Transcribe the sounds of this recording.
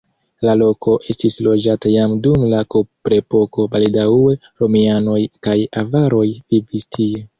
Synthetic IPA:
lalo̞kʰo̞ʔe̞stislo̞d͡ʒatajamdumlakopɾe̞po̞ko̞balidaue̞ | ɾo̞miano̞jkajavaɾo̞jvivistʰie

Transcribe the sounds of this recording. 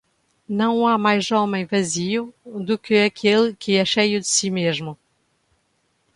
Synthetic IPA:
nɐ̃w̃amajzɔmẽj̃vɐziud̪ukɨɐkʰelˠkʰɨɛʃejud̪ɨsimeʒmʊ

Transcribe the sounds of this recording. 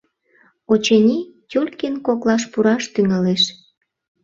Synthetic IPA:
ot͡ɕenʲitʲulʲkenkoklɑʃpuɾɑʃt̪yŋɑleʃ

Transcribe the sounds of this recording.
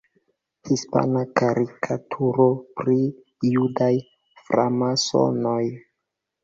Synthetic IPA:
hispa̰nakaɾikʰatʰuɾo̞pɾi | judaj | fɾamaso̰noj

